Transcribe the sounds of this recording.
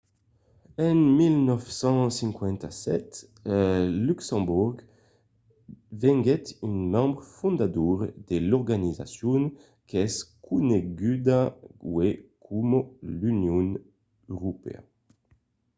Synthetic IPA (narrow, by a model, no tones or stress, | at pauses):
ɛnmilnɔfsɑ̃sɛ̃ŋkwɛ̃nt̪asɛ̰t̪ | lyksɑ̃buʁɡ | vɛ̃ŋɡɛt̪ynmɑ̃bʁəfɔ̃nd̪ad̪uːʁd̪elɔʁɡaniza̰sjɔn | kɛskʰuneɡyd̪awekʰumolynjɔ̃n | øʁopḛa̰